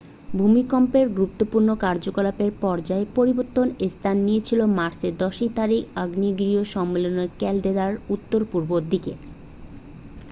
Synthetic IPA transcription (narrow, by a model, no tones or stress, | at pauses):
bʱumikɔmpeɾɡɾup̚t̪opuɾnokaɾd͡ʑokolapeɾpɔɾd͡ʑaepoɾiboɾt̪ːonest̪ʰanːijet͡ɕʰilomaɾt͡ɕed̪ɔʃit̪aɾikaɡniɡɾioʃɔmːelonokɛlɖed̪aɾut̪ːoɾpuɾbod̪ʱikḛ